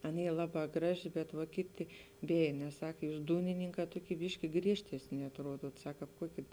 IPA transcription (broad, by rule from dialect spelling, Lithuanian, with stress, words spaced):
ˈɐn ˈiː ˈlˠɑːˌbɑː ˈɡrɑːˌʒʲɪ bʲɛt ʋɐ ˈkʲɪˌtʲɪ ˈbʲeːj nʲɛs ˈsɐk ˈjuːs ˈduːnʲɪnʲɪŋˌkɑː ˈtoːˌkʲiː ˈbʲɪʃʲkʲɪ ˈɡrʲiɛʃʲtʲɛsʲnʲɪ ɐtˈruɔduɔt ˈsɐk ˈkɑːp ˈkuɔkʲɪ